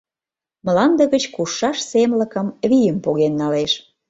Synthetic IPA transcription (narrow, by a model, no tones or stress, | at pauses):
məlɑnd̪ə̆ɣət͡ɕkuʃːɑʃsemlə̆kə̆mβijəmpoɣenːɑleʃ